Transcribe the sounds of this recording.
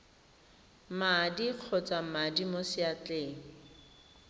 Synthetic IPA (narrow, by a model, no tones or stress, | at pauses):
madiq͡χʰɔt͡sʼamadimosɪat͡ɬeːŋ̩